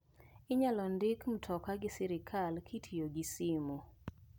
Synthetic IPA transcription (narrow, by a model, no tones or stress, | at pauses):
ɪɲalɔndɪkm̩tʰɔkaɡɪsɛɾɪkʰalkʰitʰijoɡisɪmu